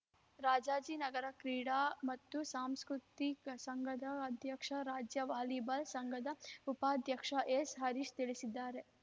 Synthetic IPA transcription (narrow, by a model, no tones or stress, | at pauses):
ɾaːd͡ʒaːd͡ʒiːnɐɡɐɾɐkɾiːɽaːmɐt̪ːusaːmskɾut̪iksɐŋɡʱɐd̪ɐːd̪ʱjɐkʂɐɾaːd͡ʒjɐʋaːlibɐlsɐŋɡʱɐd̪ɐupaːd̪ʱjɐkʂɐʔesɦɐɾiʃt̪iɭisid̪ːaːɾe